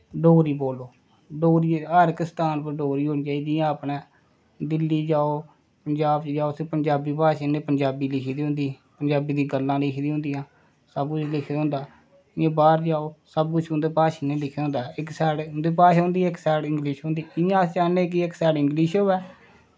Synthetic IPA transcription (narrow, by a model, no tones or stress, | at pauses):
ɖoːɾiːboːloː | ɖoːɾiːəɾɪkst̪aːnpəɾɖoːɾiːɦoːnĩːt͡ʃaːiːd͡ʒɪjãːəpneː | d̪ɪlːiːd͡ʒaːoː | pəɲd͡ʒaːbt͡ʃd͡ʒaːoːsẽːpəɲd͡ʒaːbiːpaːʃeːnẽːpəɲd͡ʒaːbiːlɪkʰːd̪iːɦʊ̃nd̪iːpəɲd͡ʒaːbiːd̪ĩːɡəlːãːlɪkʰːd̪iːɦõːnd̪ijãː | səbkʊt͡ʃʰlɪkʰːd̪õːnd̪aː | ɪãːbaːɾd͡ʒaːoːsəb̚kʊt͡ʃʰɦʊ̃nd̪eːpaːʃeːnẽːlɪkʰd̪õːnd̪aːɪksɛːɽɦʊ̃nd̪eːpaːʃːɦʊ̃ːnd̪iːɪksɛːɽɪ̃ŋɡlɪʃɦõːnd̪iːɪjãːst͡ʃaːneːk̬ɪɪksɛːɽɪŋɡliʃoːɛː